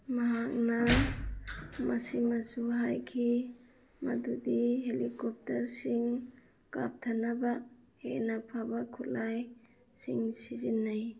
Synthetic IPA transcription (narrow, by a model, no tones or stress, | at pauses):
maɦak̚na | masimasuɦajkʰi | ma̰dudiɦelikɔp̚taɾsiŋ | ɡ̥a̰p̚tʰanaba | hḛnapʰabakʰulaj | siŋsizinːaj